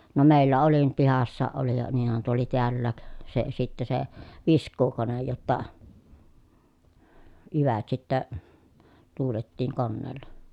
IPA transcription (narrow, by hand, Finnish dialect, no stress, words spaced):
no meˑilːæ oli nyt pihɑsːɑːʔ ʔoli jɑ niːnhæn tuo oli tiælːæːk se sitːæ se ʋiskˑuːkonej jotːɑ jyʋæt sitːæ tuːletːiːŋ konːeːlːɑ